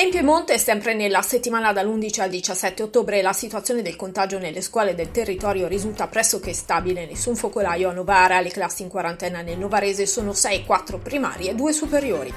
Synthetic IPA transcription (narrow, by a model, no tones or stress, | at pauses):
t̪ɛmpjoemːont̪eɛsɛmpɾenelːaset̪ːimaːnad̪alːund̪it͡ʃiald̪it͡ʃasːɛt̪ːeot̪ːoːbɾelasit̪wuat̪sːjoːned̪elkont̪ad͡ʒonelːeskwɔːled̪elt̪erːit̪ɔːɾjoɾizult̪apɾɛsːok̟est̪abilenesːuɱfokolajoanovaːɾaleklasːiŋkwaɾant̪ɛːnanelnovaɾeːzesoːnosɛjkwat̪ːɾopɾima̰ːɾied̪uːesupeɾjoːɾḭ